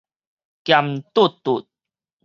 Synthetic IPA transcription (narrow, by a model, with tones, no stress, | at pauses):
kja˧mt̪u˥˦˨t̪ːu˨t̪̚